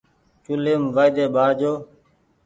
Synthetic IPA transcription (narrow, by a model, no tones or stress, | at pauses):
t͡ʃʊleːmʋaːjd̪eːɓaːɾd͡ʒoː